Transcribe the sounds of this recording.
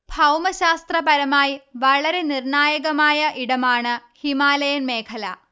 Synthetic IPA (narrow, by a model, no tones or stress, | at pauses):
bʱɐwmɐɕaːst̪rɐpɐɾɐmaːjʋɐɭɐɾe̞nirɳaːjɐɣɐmaːjɐʔiɽɐmaːɳɨhimaːlɐjɐnmeːkʰɐlɐ